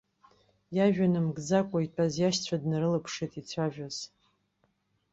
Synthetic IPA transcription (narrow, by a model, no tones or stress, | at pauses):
jaʒᶣanɨmɡd͡zakʷʼaitʷʼazjaʃt͡sʷʰadnɨɾɨlapʰʂetʼit͡sʷʰaʒᶣaz̥